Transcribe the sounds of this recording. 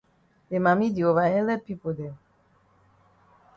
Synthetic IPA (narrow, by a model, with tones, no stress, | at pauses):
le˨mã˨mĩ˦di˨o˨va˨ɦɛ˦lɛ˦pi˦po˨dɛ˨